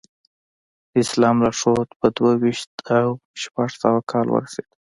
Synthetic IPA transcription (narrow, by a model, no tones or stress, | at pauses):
ɪslɑmlaʂot̪pəd̪wawiʃt̪awʃpaʐsawakʰɑlwə̰ɾase̥d̪̥